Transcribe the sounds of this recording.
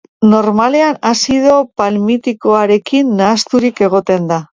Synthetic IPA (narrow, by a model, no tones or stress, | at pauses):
no̞ɾmale̞anasiðo̞palmit̪iko̞aɾe̞kinːaːst̪uɾike̞ɣ̞o̞t̪e̞nd̪a